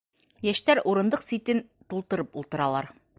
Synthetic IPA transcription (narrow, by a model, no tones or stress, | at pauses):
jæʃt̪æɾʔuɾɤ̆nd̪ɤqsit̪ɘnt̪ulˠt̪ɤ̆ɾɤpulˠt̪ɤ̆ɾɑlˠɑɾ